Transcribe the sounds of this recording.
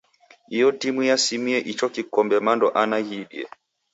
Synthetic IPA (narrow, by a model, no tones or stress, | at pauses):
ijɔtimujasimiɛʔit͡ʃɔkikɔmbɛmandɔʔanajiɗḭɛ̰